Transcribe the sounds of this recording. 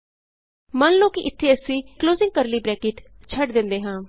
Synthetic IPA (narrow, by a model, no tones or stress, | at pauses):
mənloːkiʔɪt̪ʰːeːəsĩːkloːzɪ̃ŋɡ̚kəɾliːbɾɛːkeːʈt͡ʃʰəɖd̪ɪ̃nd̪eːɦãː